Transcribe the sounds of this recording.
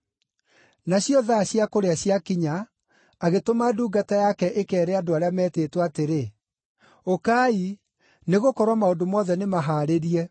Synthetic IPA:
naɕjɔðaɕjakoɾeaɕjakiɲaː | ɣetomaduːɡatajakɛʔekɛːɾɛadoaɾeamɛːteːtwateɾe | okai | neɣokɔɾwamaondomɔðɛnemaɦaːɾeɾiɛ

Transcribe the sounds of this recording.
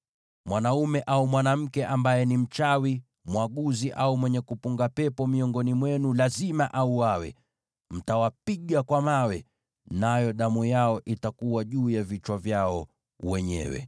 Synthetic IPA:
mwanaumɛʔaumwanam̩kɛʔambajɛnim̩t͡ʃawi | mwaɠuziʔaumwɛɲɛkupuŋɡapɛpɔmiɔŋɡɔnimwɛnulazimaʔauawɛ̰ | m̩tawapiɠakwamawɛ | najɔɗamujaɔʔitakuwaʄuːjavit͡ʃwavjaɔ | wɛɲɛ̰wɛ̰

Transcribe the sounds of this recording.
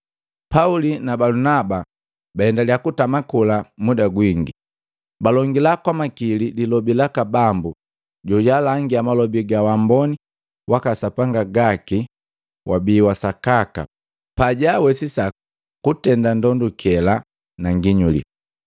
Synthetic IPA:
paulinabalunaba | bahɛndaliakutamakulamudaɡwiŋɡi | balɔŋɡilakwamakilidilɔbilakabambu | ɟɔjalaŋɡiamalɔbiɡawambɔni | wakasapaŋɡaɡaki | wʔabiːwasakaka̰ | paɟawɛsisa | kutɛndandɔndukʰɛla | naŋɡiɲulḭ

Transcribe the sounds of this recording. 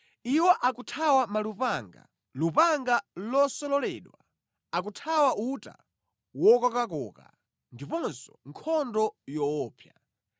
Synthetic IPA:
iwɔʔakutʰawamalupaŋɡa̰ | lupaŋɡalɔsɔlɔlɛ̰ːɗwa̰ | ak̬utʰawaʔuta̰ | wɔkakak̬ɔ̰ːka̰ | ndipɔnsɔ̥ŋkʰɔndɔjɔɔːpʰja

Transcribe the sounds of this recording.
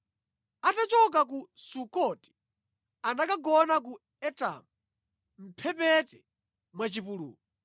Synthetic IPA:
atat͡ʃɔk̬ak̬usukɔti̥ | anakaɡɔnak̬u | ɛta̰mu | m̩pʰɛpɛtɛ | mwat͡ʃipulṵːkɔ

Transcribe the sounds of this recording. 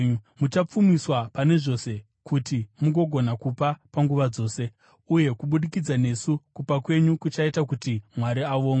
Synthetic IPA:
mut͡ʃap͡fumiswapane̞ʐo̞se̞ | kutimuŋɡo̞ɡʱo̞nakupapaŋɡuʋad͡zo̞ːse̞ | uje̞kuɓuɗikid͡zane̞sukupakwe̞ɲukut͡ʃaitak̬utimwaɾiaʋoːŋɡa

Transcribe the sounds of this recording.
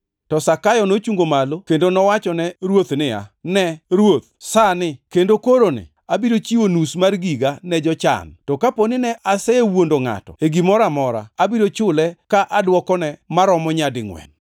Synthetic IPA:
tɔsakajɔnot͡ʃuŋɡomalokendonɔwat͡ʃɔnɛɾwot̪nɪa̰nɛɾwot̪̚sanɪkendokoɾonɪ̰ | abiɾot͡ʃiwonusmarɡiɡanɛd͡ʒɔt͡ʃa̰ntɔkaponɪnɛʔasɛwondoŋa̰tɔ̰eɡimɔɾamɔɾa̰ːbiɾot͡ʃʊlɛkaʔadwɔkɔnɛmaɾɔmɔɲadɪŋwɛ̰n

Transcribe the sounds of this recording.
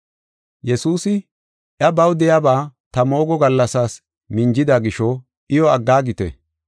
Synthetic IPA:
jɛsuːsɪ | ʔjɐbɐwd̪ɛjabaːt̪ɐmo̞ːɡɔɡɐlːɐsaːs | mɪnd͡ʒɪd̪aɡɪʃɔ | ʔɪjɔɐɡːaːɡɪt̪ɛ̰

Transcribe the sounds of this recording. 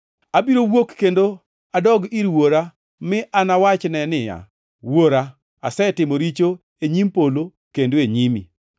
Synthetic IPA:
abiɾowokːendo | adɔɡiɾwoɾa | mɪʔanawat͡ʃnɛnɪja̰ | woɾa | asɛtɪmoɾit͡ʃo | eɲimpolo | kendoeɲimḭ

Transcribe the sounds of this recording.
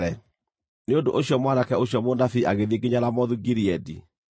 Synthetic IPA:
ɛ | neondoʔoɕjɔmwanakɛoɕjɔmondafiʔaɣeðeɡeɲaɾamɔðuɡiɾiɛdi

